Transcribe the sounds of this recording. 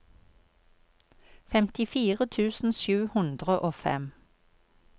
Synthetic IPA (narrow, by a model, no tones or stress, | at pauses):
fɛmt̪ɪfiːʁət̪ʰʉːsn̩ʃʉːhʉnd̪ʁəʔoːfɛ̰m